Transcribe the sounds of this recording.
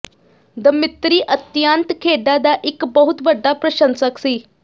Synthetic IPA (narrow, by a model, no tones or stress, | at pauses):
d̪əmit̪ɾiːʔət̪jant̪kʰeɖad̪aʔikbəɦut̪bəɖʱːapɾəɕənsəksiː